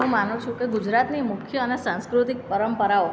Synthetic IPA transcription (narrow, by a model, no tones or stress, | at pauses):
ɦũmanũt͡ʃʰũkeɡud͡ʒɾat̪nimʊkʰjəənesãnskɾut̪ik̚pəɾəmpəɾao